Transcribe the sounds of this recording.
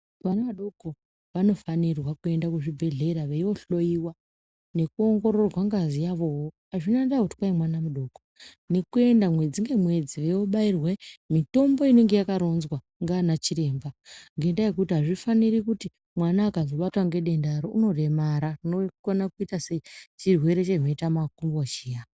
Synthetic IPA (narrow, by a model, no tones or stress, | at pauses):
ʋanaʋaɗo̞ko̞ | ʋano̞fanirwakue̞ndakuʐibʱe̞ɮe̞ɾaʋeio̞ɬo̞iwa | ne̞kuo̞ŋɡo̞ɾo̞rwaŋɡazijaʋo̞woɦaʐinandauti̥kwaimwanamuɗo̞ɡʱo | ne̞kue̞ndamwe̞d͡ziŋɡe̞mwe̞d͡ziʋeoɓairwemito̞mbo̞ine̞ŋɡe̞jakaɾo̞nzwa | ŋɡanat͡ʃiɾe̞ːmbaŋɡe̞ndaje̞k̬utiɦaʐifaniɾikuti | mwanaːkazo̞ɓatwaŋɡe̞ɗe̞ndaɾouno̞re̞maɾarinokonakuitaseit͡ʃirwe̞ɾe̞t͡ʃeino̞itamakumboʃija